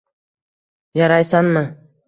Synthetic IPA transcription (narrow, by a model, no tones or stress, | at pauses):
jɑɾɑjsanmɪ